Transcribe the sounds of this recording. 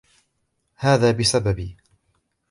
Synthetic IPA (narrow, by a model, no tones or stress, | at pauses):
haːðaːbɪsababiː